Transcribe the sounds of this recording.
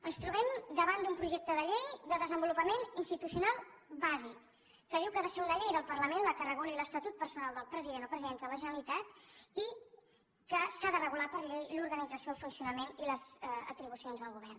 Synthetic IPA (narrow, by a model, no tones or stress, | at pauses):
ənst̪ɾuβɛmd̪əβand̪umpɾuʒɛk̚t̪əðəʎejðəðəzəmbulupəmeninst̪it̪usiunalˠbazikː | əðiwkəðəsɛunəʎejðəlˠpərləmenləkərəɣoliləst̪ət̪ut̪̚pəɾsunalˠd̪əlˠpɾəziðenɔpɾəziðent̪əələʒənəlit̪at̪i | kəsaðərəɣulapəɾʎejluɾɣənid͡zəsijoəlˠfunsiunəmeniləzə̰t̪ɾiβ̞usionzðəlˠɣuβ̞ɛrn